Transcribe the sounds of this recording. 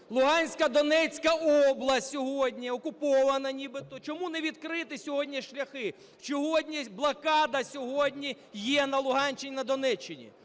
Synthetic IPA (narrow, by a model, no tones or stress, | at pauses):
lˠʊɦɑnʲsʲkɐd̪ɔnɛt͡sʲkɐɔblˠɐsʲtʲsʲɔɦɔdʲnʲiɔkʊpɔʋɐnɐnʲibɪt̪ɔt͡ʃɔmunɛʋʲid̪kɾɪt̪ɪsʲɔɦɔdʲnʲiʃlʲɐxɪ | wt͡ʃɔɦɔdʲnʲiblˠɐkɑd̪ɐsʲɔɦɔdʲnʲi | jɛnɐlˠʊɦɑnʲt͡ʃɪnʲinɐd̪ɔnɛt͡ʃːɪnʲḭ